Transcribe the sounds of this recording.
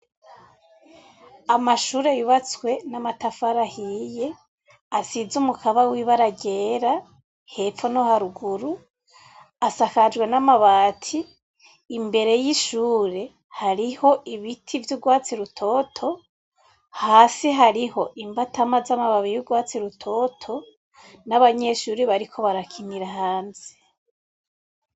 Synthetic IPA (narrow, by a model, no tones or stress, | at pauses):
amaʃuːɾejuβat͡swe̞namatafaɾahije̞ | asizumukʰaβawiβaɾaɡe̞ːɾa | he̞fonohaɾuɡuɾu | asakad͡ʒɡwe̞namaβaːtʰiː | mbe̞ɾe̞jiʃuːɾe̞ | haɾiho̞ʔiβitʰivjuɡwaːt͡siɾutʰo̞ːtʰo̞ | haːsiɦaɾiho̞ʔimbatamazamaβaβijuɡwaːt͡siɾutʰo̞tʰo̞ | naβaɲe̞ʃuːɾiβaɾikʰo̞βaɾakʰiniɾahaːnze̥